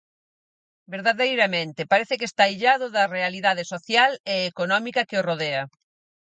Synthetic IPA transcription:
beɾðaðejɾɐmẽnt̪ɪpaɾeθɪkest̪aiʎaðʊðɐrealiðað̞esoθjaleːkonɔmikɐkeoroðeɐ

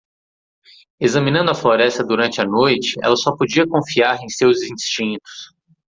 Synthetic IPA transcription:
ezɐ̃mĩnɐ̃d̪ʊɐfloɾɛst̪ɐd̪uɾɐ̃nt͡ʃɪɐnojt͡ʃɪ̥ɛ̰lɐsɔpod͡ʒiɐkõfiaɾẽj̃sewzĩst͡ʃĩnt̪ʊ̥s

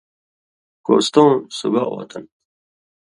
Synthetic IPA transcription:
ko̰ːst̪õːsubaʔo̰ːt̪ʰɐn

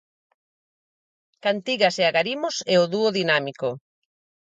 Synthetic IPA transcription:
kant̪iɣaseaɣaɾimosɛoðuoðinamiko

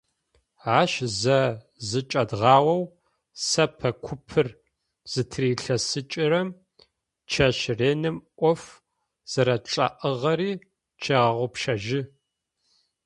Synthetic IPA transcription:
aːʃzɐ | zɨt͡ʃʼɐdʁɑːwɐw | sɐpʰɐkʷʰʊpʰɨr | z̥ɨtʰriːɬɐsɨt͡ʃʼɪrɐm | t͡ʃʰɐʃreːnɨmʔʷɔf | z̥ɐɾɐʈ͡ʂʼɐ̰ʔəʁɐɾiː | t͡ʃʰeʁɐʁʷʊpʃɐʒɪ

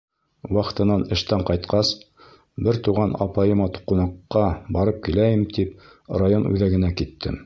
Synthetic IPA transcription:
wɑq̆t̪ɤ̆nɑnɘ̆ʃt̪æɴqɑjt̪qɑs | bɘɾt̪uʁɑnɑ̰pɑjɤ̆mɑt̪u̥qunɑqːɑbɑɾɤp̚kilæjɘmt̪ip̚ | ɾajonʉ̰ðæɡɘ̆nækit̪ːɘ̰m

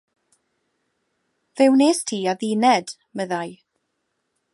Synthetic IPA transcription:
vɪwneːstʰiːaðiːnɛd̥ | məðaj

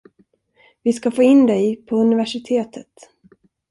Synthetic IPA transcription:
vɪskafoːɪnːd̪ɛjpʰɔɵnɪvæʂɪt̪ʰeːt̪ʰət̪

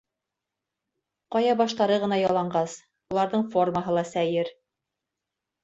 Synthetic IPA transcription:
qɑjɑbɑʃt̪ɑɾɤʁɤ̆nɑjɑlˠɑɴɢɑs | ulˠɑɾðɤɴfo̞rməɦɤlˠɑsæjɘɾ

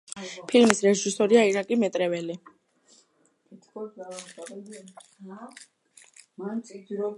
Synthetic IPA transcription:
pʰilmisɾɛʒisɔɾiaiɾakʼimɛt̪ʼɾɛvɛli | kʼit̪ʰkʰʼɔsa | mansʼid̪ɾɔ

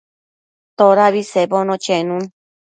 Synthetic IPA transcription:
t̪oɾaβiseβonõt͡ʃenũŋ

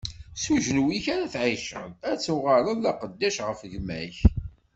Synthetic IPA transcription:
suʒnuwiçaɾæθʕiʃə̰ðæt͡sːuʁəɾˤəðlɑqəd̪ːæʃʁəfʝmæ̰ç

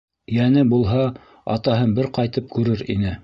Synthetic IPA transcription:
jænɘbulˠɦɑ | ɑ̰t̪ɑɦɤnbɘɾqɑjt̪ɤp̚kʉɾɘɾḭnɘ

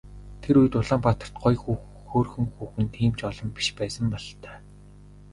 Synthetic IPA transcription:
t̪ʰeɾuj̆t̪ʊɮaːmpat̪ə̆r̥t̪̚ɢɔjxu | xoːrxɵ̆ŋxuːxɘ̆nt̪ʰːiːmt͡ɕɔɮɞ̆mpi̥ʃpæːsə̆mpɔɮt̪œ̥ː

